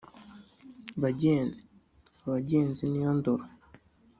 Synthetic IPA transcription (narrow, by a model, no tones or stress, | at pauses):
βaɟeːnzi̥ | aβaɟeːnzinijandoɾo